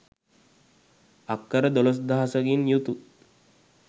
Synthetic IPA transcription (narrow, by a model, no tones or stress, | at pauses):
akːəɾəd̪ɔlos̬d̪aɦasəɡinjut̪u